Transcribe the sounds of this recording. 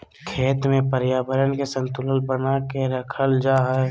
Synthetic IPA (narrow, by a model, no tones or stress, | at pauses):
kʰeːt̪mẽpəɾjaːbəɾənkesə̃nt̪ʊləlbənakeɾəkʰəld͡ʒaːɦɛ